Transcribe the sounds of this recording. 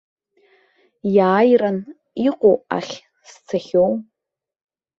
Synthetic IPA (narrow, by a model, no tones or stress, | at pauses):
jaːjran | iqʷʼowa̰χʲ | st͡sʰaχʲow